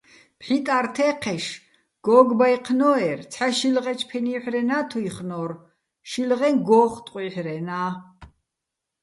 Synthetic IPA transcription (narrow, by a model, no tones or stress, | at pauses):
pħit̪ʼart̪ʰɛqʰɛʃ | ɡ̥ɔɡbajqʰnɔɛrt͡sʰħaʃilʁɛt͡ʃʰpʰɛniħɾɛnaːt̪ʰuiχnɔr | ʃilʁɛnɡɔːχt̪ʼqʼwiħɾɛnaː